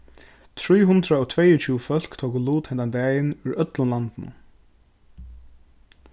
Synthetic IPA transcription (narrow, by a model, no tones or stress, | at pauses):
t̪ʰɾiːɦʊnd̪ɾaɔɣt̪ʰvɛjʊt͡ʃʰuːfœl̥kt̪ʰowkʊluːt̪hɛnt̪and̪ɛːjɪnʊɾʔœt̪lʊnlant̪nʊ̰